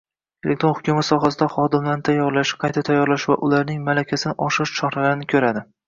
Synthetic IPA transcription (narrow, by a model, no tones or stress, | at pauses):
elʔekt̪ɾohʊkʲʰumat̪sɒɦasɪd̪aχɒd̪ɪmlaɾnɪt̪ʰajɒɾlaʃɪ̥qʰɑjt̪ʰat̪ʰajɒɾlaʃva̰ʔʊlaɾnɪŋmalakʲʰasɪnɪʔɒʃɪʃt͡ʃʰɒχɾalaɾɪnɪkʲʰɵɾad̪ɪ